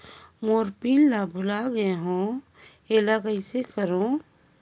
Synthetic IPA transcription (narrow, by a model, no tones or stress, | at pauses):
moːɾpinlabʱʊlaɡɦõ | eːlakəɪsekəɾõ